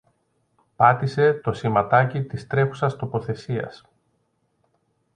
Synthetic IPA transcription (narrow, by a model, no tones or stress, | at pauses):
pɐt̪ise̞t̪o̞simɐt̪ɐcit̪ist̪ɾe̞xu̥sɐst̪o̞po̞θe̞siɐ̰s